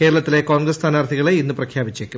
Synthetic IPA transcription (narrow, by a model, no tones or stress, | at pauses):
ke̞ːɾɐɭɐt̪ːile̞ko̞ːŋɡrɐst̪ʰaːnart̪ʰiɣɐɭeinːuprɐkʰjaːbit͡ɕːekʲːu